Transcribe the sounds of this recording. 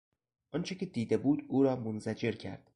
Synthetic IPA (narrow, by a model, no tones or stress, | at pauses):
ʔɒnt͡ʃʰecʲʰe̞d̪iːd̪e̞buːd̪uːɾɒːmonzæd͡ʒe̞ɾcʰæ̰ɾd̪̥